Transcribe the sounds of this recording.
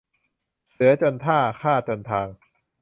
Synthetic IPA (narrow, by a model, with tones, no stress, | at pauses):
sɯ˩˦ɐt͡ɕo˧nt̪ʰaː˥˩kʰaː˥˩t͡ɕo˧nt̪ʰaː˧ŋ